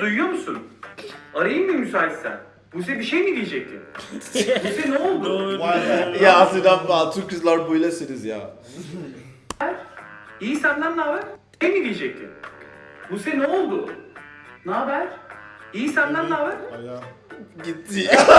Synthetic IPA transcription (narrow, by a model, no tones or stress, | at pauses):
d̪ujjo̞musun | aɾajɯmbimysaːlissæ̰n | bus̬ebiʃejnid̪ʲijed͡ʒɛc̚t̪ʰɪ̰n | buseneolˠd̪u | jaːsɯnd̪aat̪ʰuɾkɯzlˠaɾbujlʲˠasiɾizja̰ː | æɾ̥ijisænd̪ænnaːbæɾ | ejnid̪ijed͡ʒɛc̚t̪ʰɪ̰nbuseneolˠd̪ʊ | naabæɾ̥ijisænd̪ænnaːbæɾ | ɟit̪ʰːija